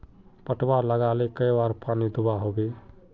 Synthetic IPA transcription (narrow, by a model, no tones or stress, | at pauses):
pəʈbaɾləɡalekəjbaɾpanid̪ubaɦobe